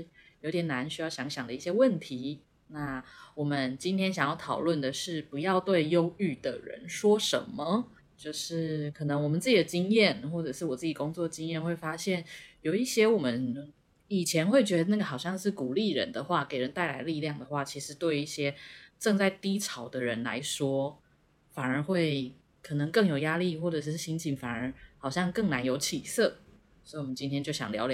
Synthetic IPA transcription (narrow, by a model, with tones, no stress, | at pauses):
jo˧ʊt̪jɛ˨˩na˧˦nɕy˥jɑ˥˩ʊɕjɑ˧˦˥ŋɕjɑ˨˩ŋd̪ə˦i˥˩ɕjɛ˥wə˥˨˩nt̪ʰi˨˧˦ | na˥˩wɔ˨˩mə˦nt͡ɕi˥nt̪ʰjɛ˥nɕjɑ˨ŋjɑ˥˩t̪ʰɑ̰˨˩ʊlwə˥˩nd̪ə˩ʂɻ̩˥˩pu˧˦jɑ˥˧ʊt̪we˥˩ɪjo˥ʊy˥˩d̪ə̰˩ɻə̰˧˦nʂwɔ˥ʂə̰˧˦mːə˨ | t͡ɕjo˥˧ʊʂɻ̩˥˩kʰɤ˨˩nɤ˧˦ŋwɔ˨˩mə˨nt͡s̩˥˩t͡ɕi˨˩d̪ə˩t͡ɕi˥ŋjɛ˥˨nxwɔ˥˩ʈ͡ʂɤ˨˩ʂɻ̩˥˩wɔ˨˩t͡sɹ̩˥˩t͡ɕi˨˩ko˥ŋt͡swɔ˥˩d̪ə˩t͡ɕi˥ŋjɛ˥˧nxwe˥˩ɪfa˥ɕjɛ˥˩njo˨˩ʊi˥˩ɕjɛ˥wɔ˨˩mə˦n | i˨˩t͡ɕʰjɛ˧˥nxwe˥˩ɪt͡ɕɥɛ˧˥d̪ə˧na˥˩ɡə˩xɑ˨˩ʊɕjɑ˥˧ŋʂɻ̩˥˩ku˨˩li˥˩ɻə̰˧˦nd̪ə˨xwa˥˩ke˨˩ɪɻə˧˦nt̪a˥˩ɪla̰˧˥ɪli˥˧ljɑ˥˩ŋd̪ə˩xwa˥˩t͡ɕʰi˧˥ʂɻ̩˧˥t̪we˥˧ɪi˥˩ɕjɛ˥ʈ͡ʂɤ˥˧ŋt͡sa˥˩ɪt̪i˥t͡sʰɑ˨˩ʊd̪ə˦ɻə˧˦nla̰˧˥ɪʂwɔ˥ | fa˨˩nə˞˧˥xwe˥˩ɪ | kʰɤ˨˩nɤ˧˦ŋkɤ˥˩ŋjo˨˩ʊja˥li˥˨xwɔ˥˩ʈ͡ʂɤ˨˩ʂ̩˥˩˥ɕi˧˥ŋt͡ɕʰi˧˥ŋfa˨˩nə˧˥xɑ˨˩ʊɕjɑ˥˧ŋkɤ˥˩ŋna˧˥njo˧˥ʊt͡ɕʰi˨˩sɤ˥˩ | sɔ˧˥i˨wɔ˨˩mə˦nt͡ɕi˥nt̪ʰjɛ˥nt͡ɕjo˥˩ʊɕjɑ̰˨˩ŋljɑ̰˧˥ʊlj